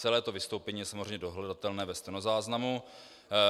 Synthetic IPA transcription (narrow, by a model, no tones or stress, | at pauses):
ɛlɛːt̪ovɪst̪o̞wpɛɲiːjɛsamozrɛjmɲɛdo̞ɦlɛdat̪ɛlnɛːvɛst̪ɛnozaːznamu